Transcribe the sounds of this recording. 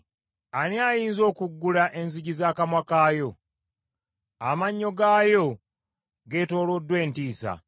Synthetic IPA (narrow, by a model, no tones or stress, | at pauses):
aniajiːnzo̞ːkuɡːulaʔe̞nzuɟizaːkamwakaːjo̞ | amaɲːo̞ɡaːjo̞ | ɡe̞ːto̞ːlo̞dːwe̞ːntiːsa̰